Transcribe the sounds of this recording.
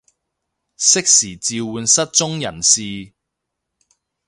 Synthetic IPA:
sɪ˥k̚siː˨˩t͡siː˧wuː˨˧nsɐ˥t̚t͡sʊ˥ŋjɐ̰˨˩nsiː˨˧

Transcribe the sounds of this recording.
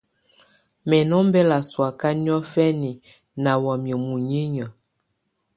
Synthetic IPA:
mɛ˨nɔ˦mbɛ˦la˨swa˨ka˦n˦ɔ˦fɛ˦ni˨ | na˨wa˨mjə˨mu˨ɲi˦ɲə˨

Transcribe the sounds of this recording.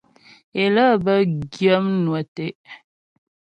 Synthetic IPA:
e˨lə˦bə˦ɡjə˦m˦nwə˨te˦ʔ

